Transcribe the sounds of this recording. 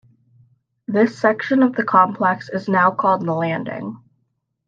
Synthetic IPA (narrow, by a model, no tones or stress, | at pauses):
ðɪsɛkʃɨ̃nʌvðɨkʰɑ̃mpʰl̥ɛksɨznaʊkʰɔlˠd̪̚ðəlæ̃ndɪ̰̃ŋ